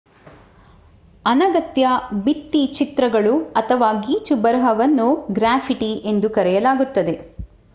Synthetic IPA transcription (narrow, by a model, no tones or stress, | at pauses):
ɐnɐɡɐt̪jɐbit̪ːit͡ʃit̪ɾɐɡɐɭuɐt̪ʰɐʋaːɡiːt͡ʃubɐɾɦɐʋɐnːuɡɾaːpʰiʈiʔe̞nd̪ukɐɾɛjɐlaːɡut̪ːɐd̪e̞